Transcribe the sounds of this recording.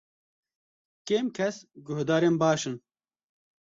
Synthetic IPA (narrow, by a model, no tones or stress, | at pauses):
keːmkʰɛsɡʊhd̪ɑːɾeːnbɑːʃɨn